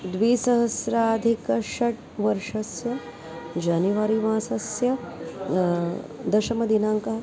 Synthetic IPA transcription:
d̪ʋiːsɐɦɐsɾaːd̪ʱikɐʃɐʈ̚ | ʋɐɾʂɐsjɐ | d͡ʒaːniʋaːɾiʋãːsɐsjɐ | d̪ɐʃɐmɐd̪inaːŋkɐɦ

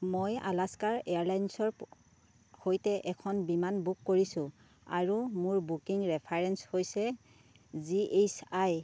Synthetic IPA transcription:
moja̰laskaɹejaɹlajnsɔɹ | hojtɛʔɛkʰɔnbimanbukːoɹisʊ̃ | a̰ɹumʊɹbukiŋɹɛpʰaɹɛnshojsɛ | ziʔesaj

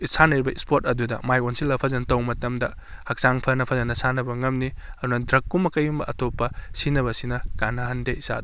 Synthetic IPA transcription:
isanɐɾibɐispoɾtɐdudɐ̰majonsilɐpʰɐzɐntɐwmɐtɐmdɐ | hɐk̚saŋpʰɐnɐpʰɐzɐnɐsanɐbɐŋɐmniɐdunɐdɾɐkːumɐkɐjumbɐʔɐtopːɐsinɐβɐsinɐɡanɐɦɐndeisa̰d

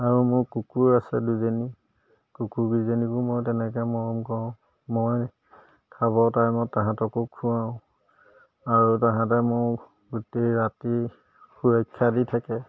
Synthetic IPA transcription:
aɹumʊɹkukuɹasɛduzɔni | kukuɹɡizɔnikumoɹtɛnɛk̬ɛmɔɹɔmkɔʊ̃ | moj | kʰaβɔtajmɔtːaɦãtɔkukʰːuwaʊ̃ | aɹutaɦãtɛmʊɹ | ɡuteɹati | xuɹɔjkʰːjaditʰakɛ

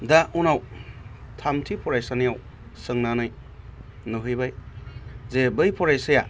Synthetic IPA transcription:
daunaw | tʰamtʰipʰɔɾajsanijaw | sɯŋnanɯj | nɯɦɯjbaj | zebɯjpʰɔɾajsɯja

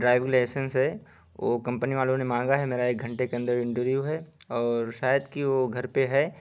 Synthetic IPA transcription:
ɖɾaːɪʋɪ̃ŋleːsə̃nsɦɛ | ʋo̰kɐ̃mpniʋaːlõnemãːŋɡaɦɛmeːɾaeːk̚ɡʱɐ̃ɳʈekeɐ̃nd̪əɾɪ̃ɳʈəɾʋjuɦɛ | ɔːɾʃaːjəd̪kiʋoɡʱɐɾpeɦɛː

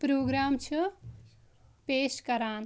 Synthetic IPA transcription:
pɾoɡɾamt͡ʃʰu | peskʌɾaːn

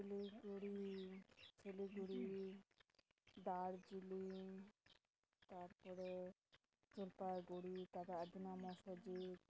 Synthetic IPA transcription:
eliɡuɽi | t͡ɕʰeliɡuɽi | d̪aɾd͡ʑili | t̪aɾpɔɾe | d͡ʑolpaɡuɽit̪ad̪ead̪ʱinamɔʃod͡ʑit̪

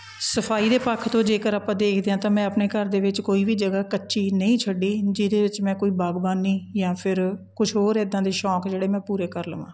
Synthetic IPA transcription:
səpʰaːiːd̪eːpəkʰt̪õːd͡ʒeːkəɾaːpãːd̪eːkʰd̪eːãːt̪ãːmɛ̃ːəpneːkəɾd̪eːʋɪt͡ʃkoːiːʋiːd͡ʒəɡaːkət͡ʃːʃiːnəĩːt͡ʃʰəɖiːd͡ʒɪd̪eːʋɪt͡ʃmɛ̃ːkoːiːbaːɡbaːniːjãːpʰɪɾkʊt͡ʃʰɦoːɾeːd̪ãːd̪eːʃɔːkd͡ʒeːɽeːmɛ̃ːpuːɾeːkəɾləʋã̰ː

